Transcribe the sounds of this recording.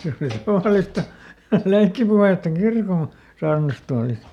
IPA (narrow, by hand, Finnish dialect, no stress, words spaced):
se oli tɑʋɑˑlistɑ leikːipuheˑtːɑ kirkon̞ sɑːrnɑstuɑlist